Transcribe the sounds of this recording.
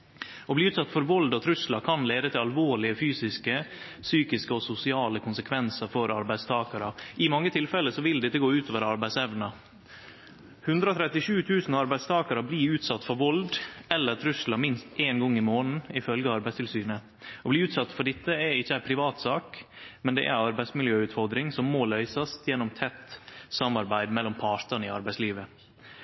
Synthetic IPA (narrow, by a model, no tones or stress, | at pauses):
ɔbliːʉːt̪sɑt̪ːfɔɾʋɔld̪ɔt̪ʰɾʉslɑkʰɑnleːd̪ət̪ʰɪlɑlʋoːɭɪəfyːsɪskə | syːkɪskəɔsʊsɪɑːləkʰʊnsəkʰʋɛnsəɾfɔɾɑɾbæɪst̪ʰɑːkɑɾəʔɪmɑŋːət̪ʰɪlfɛlːəsɔʋɪld̪ɪt̪ːəɡoːʉːt̪oːʋəɾɑɾbæɪsɛʋnɑ | hʉnd̪ɾəoːt̪ʰɾɛt̪ːɪʂʉːt̪ʰʉːsn̩ɑɾbæɪd̪st̪ʰɑːkɑɾəbliːʉːt̪sɑt̪ːfɔɾʋɔld̪ɛlːəɾt̪ʰɾʉslɑmɪnst̪ʔeːnɡɔŋːɪmoːnn̩ɪfœlɡəɑɑɾbæɪst̪ʰɪlsyːnə | ɔbliːʉːt̪sɑt̪ːfɔɖɪt̪ːəɛɪçːəæɪpʰɾɪʋɑːt̪sɑːkmɛnd̪ɛ̰ʔæ̰ɾɑɾbæɪsmɪljøːʉːt̪fɔɾd̪ɾɪŋsɔmːoːlœʏsɑst̪jɛnːɔmt̪ʰɛt̪ːsɑmːɑɾbæɪd̪mɛlːɔmpʰɑːɾt̪ɑnəɪɑ̰ɾbæɪsliːʋə